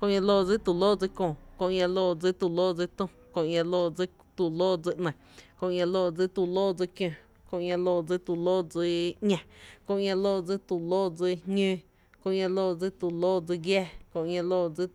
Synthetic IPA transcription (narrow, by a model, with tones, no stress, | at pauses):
kõ˧ʔɲã˧loː˧˨d͡zi˦t̪u˨loː˦˨d͡zi˧kõ˧˨kõ˧ʔɲã˧loː˧˨d͡zi˦t̪u˨loː˦˨d͡zi˧t̪ũ˧ | kõ˧ʔɲã˧loː˧˨d͡zi˦ | t̪u˨loː˦˨d͡zi˧ʔnə̃˨ | kõ˧ʔɲã˧loː˧˨d͡zi˦t̪u˧˨loː˦˨d͡zi˧kjõ˧˨ | kõ˧ʔŋã˧loː˧˨d͡zi˧˦t̪u˨loː˦d͡zi˧ʔɲã˧kõ˧ʔŋã˧loː˦˨d͡zi˦t̪u˨loː˦d͡zi˧hɲẽ˦ | kõ˧ʔŋã˧loː˦˧˨d͡zi˦t̪u˨loː˦˨d͡zi˧ɡjɛː˦kõ˧ʔɲã˧loː˧˨d͡zi˦